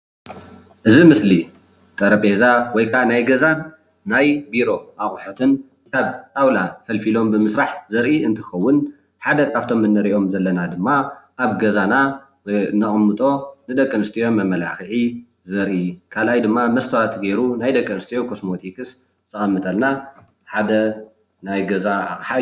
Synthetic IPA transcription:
ʔɨzimɨsli | t̪ʼɐɾɐpʼezawɔjkʰanajɡɐzanː | ajbiɾo̞ʔaχʼħut̪ʰɨn | kʰaβt̪awlafɐlfilo̞mbɨmɨsɾaħzɐɾʔiɨnt̪ʰɨxɐwːʊn | ħad̪ɐkʰaβt̪ʰo̞mːɨnːɐɾiʔo̞mzɐlːɐnad̪ɨmːaʔaβɡɐzana | wɔjnɐχʼɨmːɨt̪ʼo̞nɨd̪ɐkʼːɨnɨst̪ʰijo̞mːɐmɐla̰xɨʕi | zɐɾʔikʰalʔajd̪ɨmːamɐst̪ʰɐwat̪ɡeɾunajd̪ɐkʼːɨnɨst̪ʰijo̞kʰosmo̞t̪ʰikʰɨs | t̪ʰɨxʼɐmːɨt̪ʰʼɐlna | ħad̪ɐ | najɡɐzaa̰χʼħa

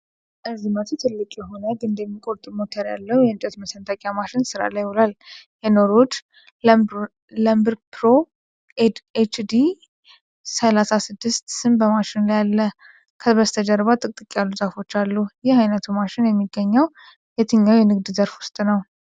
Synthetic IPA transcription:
ʔɨzimət̪ʰut̪ʰɨlːɨkʼjɛɦo̞nəɡɨnd̪ɛmːikʼo̞ɾt̪ʼɨmot̪ʰəɾja̰lːəhujɛɨnt͡ʃʼɛt̪məsənt̪ʰʼakʼjamaʃɪnsɨɾa̰lajɔlaljɛno̞ɾod͡ʒ | ləmbɨɾpʰɾo̞ | et͡ʃd̪i | səlasasɨd̪ːɨst̪sɨmbəmaʃɪnlajalːə | kʰəbəst̪ʰəd͡ʒəɾβat̪ʼɨkʼt̪ʼɨkʼijalːuzafo̞t͡ʃːalːujɛhajnət̪ʰumaʃɪnjɛmːiɡːəɲːəw | jɛt̪ʰɨɲːawjɛnɨɡd̪zəɾfwʊst̪ʼnəw

